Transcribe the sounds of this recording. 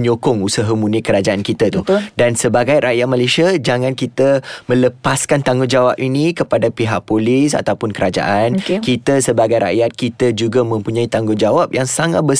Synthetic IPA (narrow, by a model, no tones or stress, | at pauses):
ɲokɔŋusaɦəmunikəɾad͡ʒaankit̪at̪udansəbaɡajɾaʔjat̪̚malasiad͡ʒaŋãnkit̪əmə̃ləpaskant̪aŋɡʊnd͡ʒawap̚inikəpadapiɦaʔ̚polisa̰t̪awpʊnkəɾad͡ʒa̰ʔankit̪əsəbaɡajɾa̰ʔjat̪̚kit̪əd͡ʒuɡamə̃mpuɲãit̪aŋɡʊnd͡ʒawap̚jaŋsaŋat̪̚bə